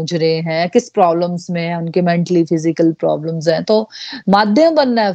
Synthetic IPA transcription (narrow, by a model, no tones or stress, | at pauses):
d͡ʒɾəɦeɦɛ̃ːkɪspɾaːbləmzmẽʊnkemɛ̃ːɳʈəlifʰɪzɪkəlpɾɔ̰ːbləmzɦɛ̃ːt̪oːmaːd̪ʱjãbɐnːa